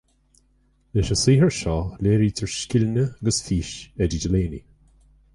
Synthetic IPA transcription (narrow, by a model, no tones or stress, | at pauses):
lɪʃəsiːɦɛɹʃɔːleːɹiːt̪ʰəɹʃkɪlnəɡəsfiːʃɛdidəleːnḭ